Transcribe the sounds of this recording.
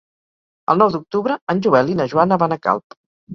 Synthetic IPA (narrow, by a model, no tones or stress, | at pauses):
ə̰lˠnɔwd̪uk̚t̪uβɾəənʲʒuβɛlinəʒuanəβanəka̰lˠp